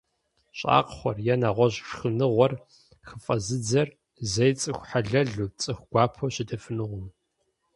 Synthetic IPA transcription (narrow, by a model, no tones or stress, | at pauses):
ɕʼa̰ːqχʷɔrjɛnaːʁʷɔʑʂxɨnɨʁʷɔr | xəfʼɐzɨd͡zɐr | zɐjt͡sʼɨxʷħaɮɐɮut͡sʼɨxʷɡʷaːpʰoɕɪdɐfɨnɨʁʷʊm